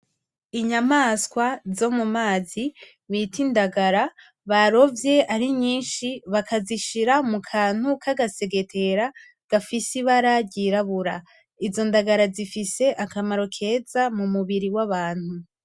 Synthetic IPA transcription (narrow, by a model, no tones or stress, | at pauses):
iɲamaskwazo̞mumaːzi | βitindaɡaɾa | βaɾo̞vje̞aɾiɲiːnʃiβakʰaziʃiɾamukʰaːn̥hukaɡase̞ɡe̞tʰe̞ɾa | ɡ̥afisiβaɾaɟiɾaβuɾa | izo̞ndaɡaɾazifise̞ʔakamaɾo̞kʰe̞ːzamumuβiɾiwaβaːn̥hu